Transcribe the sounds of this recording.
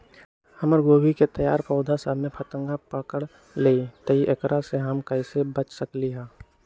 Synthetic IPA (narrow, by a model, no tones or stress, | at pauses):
hɐməɾɡoːbiket̪ɐja̰ːɾpɔːd̪ʱasəmẽpʰət̪ə̃ŋɡapəkəɽ | leːit̪ɐɦiʔekɾaseɦamkəɪsebət͡ʃsəkliɦɛ̃ː